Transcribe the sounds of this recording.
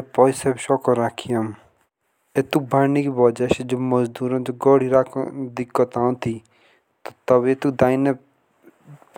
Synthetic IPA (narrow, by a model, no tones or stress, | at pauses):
pɔjsebʃɔkɔɾakʰijɔm | et̪uk̚bʱanikibɔd͡ʒased͡ʒomɔzd̪uɾɔ̃d͡ʒoɡɔɽiɾakʰd̪ikːɔt̪ãw̃t̪ʰi | t̪ɔt̪ɔbet̪ukd̪aine